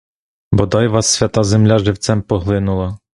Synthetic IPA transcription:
bɔd̪ɑjʋɑsːʲʋʲɐt̪ɑzemlʲaʒɪwt̪sɛmpɔɦlˠɪnʊlˠɐ

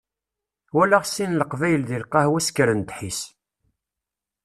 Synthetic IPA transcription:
wælæʁsːinləqvæjəlðilqɑhwæskəɾənt̪ħis

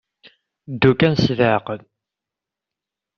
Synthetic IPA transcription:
d̪ukænsiðəʕqən

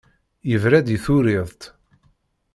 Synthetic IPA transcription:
jəvɾæd̪iθʊɾɪðˤt̪

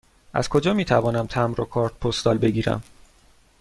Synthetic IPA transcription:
ʔæ̰z̥kʰo̞d͡ʒɒːmiːt̪ʰævɒːnæmt̪ʰæmɾokʰɒːɾt̪̚pʰost̪ɒːlbe̞ɡiːɾæ̰m

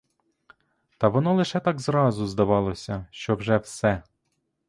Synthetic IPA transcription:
t̪ɐʋɔnɔlˠɪʃɛt̪ɑkzɾɑzʊzd̪ɐʋɑlˠɔsʲɐʃt͡ʃɔwʒɛwsɛ

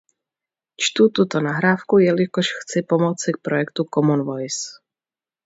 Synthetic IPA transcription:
t͡ʃt̪ut̪ut̪onaɦɾaːfkujɛlɪkoʃxt͡sɪpomot͡sɪk̚pɾojɛkt̪ukomonvojs

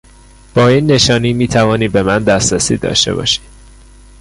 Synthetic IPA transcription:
b̥ɒːiːnːe̞ʃɒːniːmiːt̪ʰævɒːniːbe̞mænd̪æst̪ɾæsḭːd̪ɒ̰ːʃt̪e̞̰bɒ̰ːʃi̥ː

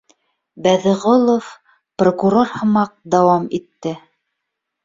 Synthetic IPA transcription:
bæðɘʁolˠof | prokuɾorhɤ̆mɑq̚d̪ɑwɑmit̪ːɘ

